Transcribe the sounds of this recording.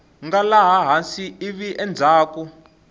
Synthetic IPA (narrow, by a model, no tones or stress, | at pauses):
ŋɡalaɦaɦansiiβiʔɛnd͡zʱaːku